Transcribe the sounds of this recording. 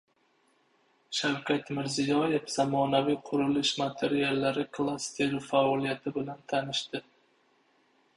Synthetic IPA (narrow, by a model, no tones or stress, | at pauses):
ʃawkʲʰat̪mɪɾzɪjɒje̞fz̥amɒnavijqʰʊɾɪlɪʃmat̪ʰe̞ɾialːaɾɪkʰlˠast̪ʰeɾfaɒlˠijat̪ʰɪbɪlant̪ʰanɪʃt̪ɪ